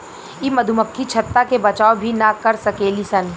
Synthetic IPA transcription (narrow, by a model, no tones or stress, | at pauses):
imɐd̪ʱuməkʰːit͡ʃʰɐt̪ːakebɐt͡ʃaːobʱinakɐɾsɐkeːlisɐn